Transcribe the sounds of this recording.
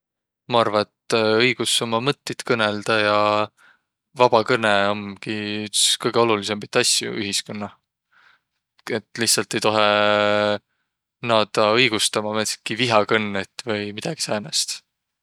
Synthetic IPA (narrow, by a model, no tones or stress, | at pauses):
mɑɑrvɑet̪ːɤjɡ̥uso̞mɑmɤt̪ːit̪kɤneld̪̥ɑjɑ | vɑb̥ɑkɤneomkiytskɤjɡ̥eo̞lulis̬embit̪ːˑɑsjṵyɦiskonːɑ | e̞t̪ːˑliht̪sɑlt̪ːˑejt̪o̞ɦe | nɑd̪̥ɑɤjɡ̥ust̪ɑmɑmet̪kiviɦɑkɤnːet̪ːˑvɤjmid̪̥ɑɡ̥i̥sɑːnɑst̪